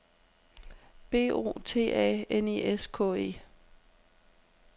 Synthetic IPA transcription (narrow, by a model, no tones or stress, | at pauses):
b̥e̝̰ːo̝̰ːt͡sʰe̝̰ːʔɛ̰ːeniʔeskʰɔ̰̽ːe̝̰ː